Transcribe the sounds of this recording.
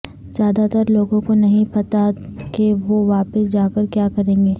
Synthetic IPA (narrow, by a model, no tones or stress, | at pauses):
z̥jaːd̪at̪ɐɾloːɡõkonɐɦĩpɐt̪akeʋoʋaːpəsd͡ʒaːkəɾkjaːkɐɾẽːŋɡeː